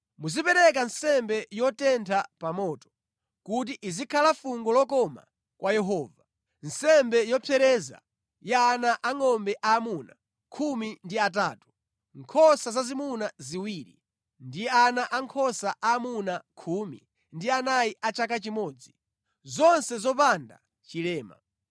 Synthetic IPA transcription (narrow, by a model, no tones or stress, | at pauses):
muzipɛɾɛk̬ansɛmbɛjɔtɛntʰapamɔːtɔ̥ | kut̬iʔizikʰalafuŋɡɔlɔkɔma̰ | kwʔajɛɦɔːva | nsɛmbɛjɔpʰɛɾɛza̰ | janaʔaŋɔmbɛʔaːmuna | kʰumindiataːtu̥ | ŋkʰɔsazazimunaziwiːɾḭ | ndijɛanaʔaŋkʰɔsaʔaːmunakʰumi | ndianajiʔat͡ʃak̬at͡ʃimɔːd͡zi | zɔnsɛzɔp̬anda̰ | t͡ʃilɛːma̰